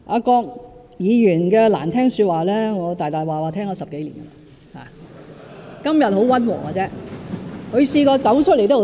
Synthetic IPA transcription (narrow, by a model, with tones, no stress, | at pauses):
ʔa̰ː˧kɔː˧k̚ | jiː˨˧jyː˨˩nkɛː˧la̰ː˨˩nt̪ʰɛː˥ŋsyː˧t̚waː˨˩lɛː˥ŋɔː˨˧t̪aː˨jt̪aː˨˩jwaː˨˩waː˨˩t̪ʰɛː˥ŋkɔː˧sɐ˨p̚ke˨˥jlḭː˨˩na˨ | ha̰ː˨˩ | kɐ˥mjɐ˨t̚ho˨˥wɐ˥nwɔ̰ː˨˩ŋaː˨˧t͡sɛː˦˥ | kʰɵ˨˧ɥsiː˧kɔː˧t͡sɐ˨˥wt͡ʃʰɵ˥le˨˩jt̪o˥˨˩